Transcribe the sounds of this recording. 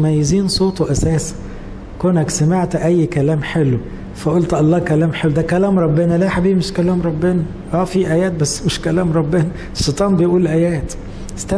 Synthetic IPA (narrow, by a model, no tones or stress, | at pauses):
mæjːeziːnsˤoːt̪oʔæsæːsi̥ | konæksæmeʕt̪ʔæjːkælæːmħelw | fæʔolt̪ʔɑlˤːɑːkælæːmħelːwd̪ækælæːmɾˤɑbːenælæħabiːbmeʃkælæːmɾˤɑbːenæ | ʔæːfiʔæjæːt̪̚bæsːmeʃkælæːmɾˤɑbːenæ | ʃːet̪ˤɑːmbejʔuːlʔæjæːt̪ | st̪æ